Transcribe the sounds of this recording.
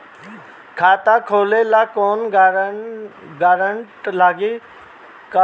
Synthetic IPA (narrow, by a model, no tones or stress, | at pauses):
kʰaːt̪akʰoːleːlaːkoːn | ɡaːɾəɳʈlaːɡi | ka